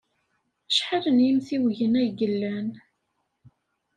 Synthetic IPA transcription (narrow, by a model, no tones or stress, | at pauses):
ʃħaɾənjimθiwʝənæjɡəlːæn